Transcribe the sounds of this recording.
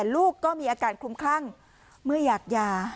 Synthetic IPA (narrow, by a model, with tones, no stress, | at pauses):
ɛː˨˩luː˥˩kːɔː˥˩miː˧ʔaː˧kaː˨˩n̚kʰu˧mkʰaː˥˩ŋ | mɯ˥˩ɐjaː˨˩k̚jaː˧